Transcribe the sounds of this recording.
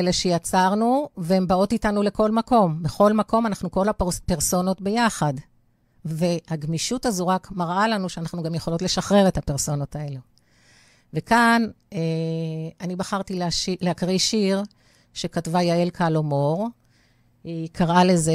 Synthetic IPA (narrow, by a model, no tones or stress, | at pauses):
eleʃe̞jat͡saʁnuveembao̞titanule̞ko̞lmako̞mbeχo̞lmako̞manaχnuko̞lapeʁsono̞tbe̞jaχad | ve̞haɡmiʃutazuʁakmaʁʔalanuʃeanaχnuɡamjeχo̞lo̞tleʃaχʁe̞ʁe̞thapeʁso̞no̞tae̞lu | ve̞kaneanibaχaʁtilaʃileakʁiʃiʁ | ʃe̞katvajaelkʰalomoʁ | ikʰaʁʔale̞ze